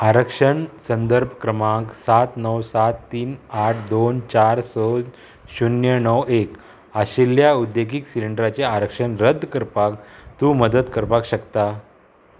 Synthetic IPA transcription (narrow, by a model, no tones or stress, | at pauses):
aɾəkʂəɳsənd̪əɾbʱkɾəmãksat̪nəwsat̪ːiːnaʈʰd̪ont͡ɕaɾsɔ | ɕunjənəwek | aɕiljaud̪ːeɡiksiliɳɖɾat͡seaɾəkʂəɳɾəd̪ʱkəɾpak̚t̪uːməd̪ət̪kəɾpakɕəkt̪a